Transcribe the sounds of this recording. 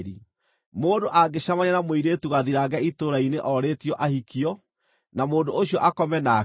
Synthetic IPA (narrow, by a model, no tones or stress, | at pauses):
ɾi | moːndoʔaɡeɕamaɲanamweiɾetuɣaðiɾaɣɛitoɾaineʔɔɾeːtiɔʔahikʰiɔ | namoːndooɕijɔʔakɔmɛna